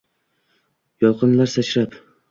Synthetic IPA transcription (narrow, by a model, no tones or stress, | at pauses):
jɒlˠqʰɨnlaɾsat͡ʃɾap